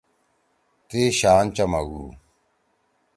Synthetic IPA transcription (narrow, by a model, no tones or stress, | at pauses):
t̪eːɕaːnt͡ɕɐmɐɡṵː